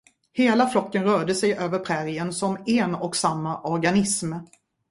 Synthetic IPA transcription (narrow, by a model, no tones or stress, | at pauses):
heːlaflɔkːənɾœːɖəsɛjʔøːvəɾpʰɾɛɾɪənsɔmɛnɔksamːaʔɔɾɡanɪsm